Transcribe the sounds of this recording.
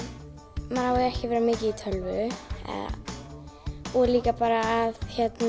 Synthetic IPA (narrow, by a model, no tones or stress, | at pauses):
manhavaɛhcɪvɛːɾamɪːcɪit̪ʰœlvʏ̰ | ɔɾliːkapaːɾaːðçɛt̪na